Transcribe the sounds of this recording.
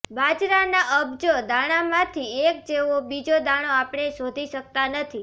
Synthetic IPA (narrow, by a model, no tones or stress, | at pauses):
bad͡ʒɾanaʔəbd͡ʒod̪aɽ̃amãt̪ʰiek̚d͡ʒeʋobid͡ʒod̪aɽ̃oapɽ̃esod̪ʱiʃək̚t̪anət̪ʰi